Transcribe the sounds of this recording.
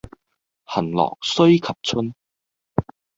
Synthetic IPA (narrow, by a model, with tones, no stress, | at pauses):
hɐ˨˩nlɔ̰ː˨˩k̚sɵ˥ɥkʰɐ˨p̚t͡sʰɵ˥n